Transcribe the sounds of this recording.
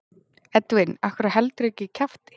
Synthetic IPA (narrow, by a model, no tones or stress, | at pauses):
ɛt̪vɪnahkʰvɛɾahɛlt̪ɾɛcɪcʰaft̪ɪ̥